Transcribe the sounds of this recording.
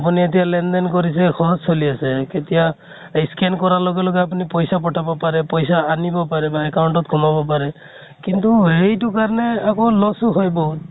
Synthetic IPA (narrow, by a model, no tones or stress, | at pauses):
ap̬unietijalendɔnkoɹis̬ɛxɔɦɔzsoliasɛketija | iskɛnkɔɹaloɡɛloɡɛapunipɔjsapɔʈʰabɔpaɹɛpɔjsaanibɔpaɹɛbaɛkawɳʈɔt̚kʰumabɔpaɹɛ | kintuɦejtukaɹɔnɛakolɔsuɦojbɔ